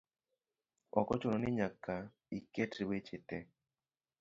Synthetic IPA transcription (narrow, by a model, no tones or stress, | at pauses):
ɔ̰kɔt͡ʃʊnɔnɪɲaka | iketɾiwet͡ʃɪtɛ